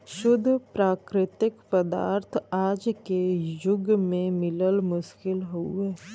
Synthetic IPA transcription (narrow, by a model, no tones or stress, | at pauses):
ʃʊd̪ʱːpɾaːkɾɪt̪ɪkpəd̪a̰ːɾt̪ʰaːd͡ʒkejʊɡmẽmɪləlmʊʃkɪlɦuɦɛː